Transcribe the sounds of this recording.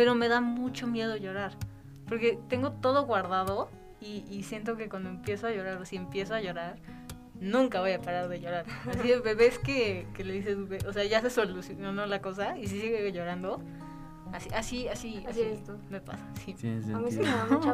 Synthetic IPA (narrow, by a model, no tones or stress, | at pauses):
pe̞ɾo̞me̞ðamut͡ʃo̞mje̞ðo̞ʝo̞ɾaɾ | po̞ɾke̞t̪e̞ŋɡo̞t̪o̞ð̞oɣwaɾðaðo̞ | iːsje̞nt̪̬o̞ke̞kwand̪oe̞mpje̞soaʝo̞ɾaɾosie̞mpje̞s̬oaʝo̞ɾaɾ | nũŋkaβo̞japaɾaɾðe̞ʝo̞ɾaɾasikeβeβe̞ske̞kele̞ðis̬ezukeʔose̞aʝas̬esolusjononolako̞s̬ais̬isiɣeʝo̞ɾand̪o̞ | asiʔasiasiasime̞pa̰sḁsi